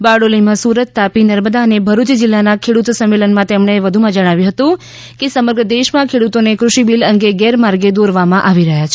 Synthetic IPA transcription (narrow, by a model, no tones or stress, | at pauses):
baɽolimãsuɾət̪ːapinəɾməd̪aənebʱəɾut͡ʃd͡ʒɪlːanakʰeɽut̪səmːelənmãt̪emɳ̃eʋəd̪ʱumãd͡ʒəɽ̃aʋjũɦət̪ũ | kesəməɾɡɾəd̪eʃmãkʰeɽut̪onekɾuʃibiləŋɡeɡɛɾmaɾɡed̪oɾʋamãʔaʋiɾəɦjat͡ʃʰe̥